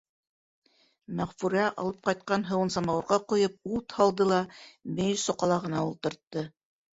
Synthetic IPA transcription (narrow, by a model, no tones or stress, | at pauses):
mæʁfuɾæʔɑ̰lˠɤp̚qɑjt̪̚qɑnɦɤ̆wɤ̆nsɑmɑwɤ̆ɾʁɑqŏjɤp̚ut̪hɑlˠd̪ɤlˠɑmej̪sŏqɑlˠɑʁɤ̆nɑulˠt̪ɤ̆ɾt̪ːɤ